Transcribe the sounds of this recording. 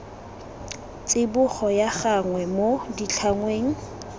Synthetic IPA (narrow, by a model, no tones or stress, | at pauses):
t͡sʼɪbʊχɔjaχaŋwɛmodit͡ɬʰaŋweːŋ̩